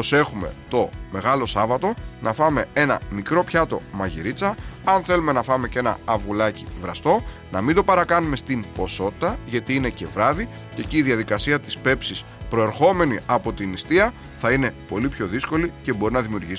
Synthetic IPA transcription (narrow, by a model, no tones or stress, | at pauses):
pose̞xume̞̰t̪o̞me̞ɣɐlo̞sɐvɐt̪o̞nɐfɐme̞e̞nɐ̰mikɾo̞pçɐt̪o̞̰mɐʝiɾit͡sɐɐnθe̞lume̞nɐfɐme̞ce̞nɐ̰ːvulɐcivɾɐst̪o̞ | nɐmind̪opɐɾɐkɐnume̞st̪impo̞so̞t̪i̥t̪ɐʝɐt̪iine̞ce̞vɾɐði | ceciːðiɐðikɐsiɐt̪i̥spe̞psis | pɾo̞e̞ɾxo̞me̞niɐpo̞t̪inist̪iɐ | θɐine̞po̞lipço̞ðisko̞lice̞bo̞ɾinɐðimiuɾʝis